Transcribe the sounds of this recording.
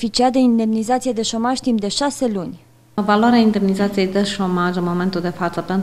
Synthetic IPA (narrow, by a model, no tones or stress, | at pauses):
fit͡ʃiat̪̚d̪eind̪e̞mnizat̪sijed̪e̞ʃo̞maʒʲt̪impd̪e̞ʃase̞lunʲ | valwaɾeaind̪emnizat̪sije̞jd̪e̞ʃo̞maʒənmo̞me̞nt̪uld̪e̞fat̪səpent̪